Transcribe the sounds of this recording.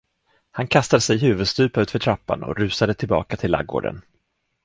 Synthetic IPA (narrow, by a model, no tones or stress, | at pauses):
hankʰast̪ad̪əsɛjɦʉ̟ːvɵd̪st̪ʉ̟ːpaʉːt̪fœʈʰɾapːa̰nɔ̰ɾʉ̟ːsad̪ət̪ʰɪlbɑ̰ːkat̪ʰɪlːa̰ɡːo̰ːɖə̰n